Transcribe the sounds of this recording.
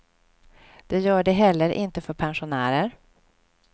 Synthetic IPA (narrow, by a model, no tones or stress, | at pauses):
d̪̥ɛjœːɖɛɦɛlːəɾʔɪ̰nt̪əfœɾpʰɛnɧʊnæːɾəɾ